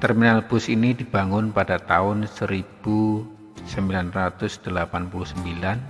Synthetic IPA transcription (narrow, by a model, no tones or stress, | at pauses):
t̪ɛrminalb̥ʊsinidibaŋʊnpadat̪aʊnsəɾib̥u | səmbilanrat̪ʊsd̥əlapanpulʊhsəmbilan